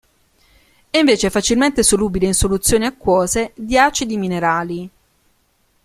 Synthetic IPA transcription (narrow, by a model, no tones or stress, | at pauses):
ɛiɱveːt͡ʃeɛfat͡ʃilment̪esoluːbileinsolut̪sːjoːniakːwɔːzed̪jaːt͡ʃid̪imineɾaːli